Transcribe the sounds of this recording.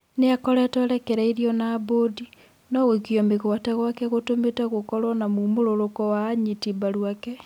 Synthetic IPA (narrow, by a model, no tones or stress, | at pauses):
neakɔɾɛtɔɾɛkeɾaiɾiɔnaːbodi | nɔɣekiɔmeɣwatɛɣwakɛɣotometaɣokɔɾwɔnamumoɾoɾokɔwaːɲitibaɾwakɛ